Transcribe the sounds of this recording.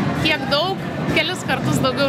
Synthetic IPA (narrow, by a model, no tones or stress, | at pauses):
k̪ʲiɛkd̪ɐʊk | kʲɛlʲɪskɐɾt̪ʊsd̪ɐʊɡʲɛʊ